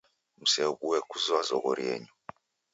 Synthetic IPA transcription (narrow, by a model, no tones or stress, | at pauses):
m̩sɛɓuwɛkʰuzwazɔkɔɾjɛ̰ːɲɔ